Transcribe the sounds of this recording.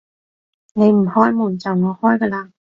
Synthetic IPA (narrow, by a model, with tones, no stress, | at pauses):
ne˨˧jm̩˨˩hɔː˥jmuː˨˩nt͡sɐ˨˩wŋɔː˨˧hɔː˥jkəː˧laː˧˩